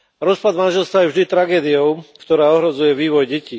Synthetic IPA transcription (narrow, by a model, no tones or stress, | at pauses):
ɾɔspad̪manʒɛlst̪ʋajɛvʒd̪it̪ɾaɡɛːd̪iɔʊkt̪ɔɾaːɔɦɾɔd͡zujɛʋiːʋɔjɟɛci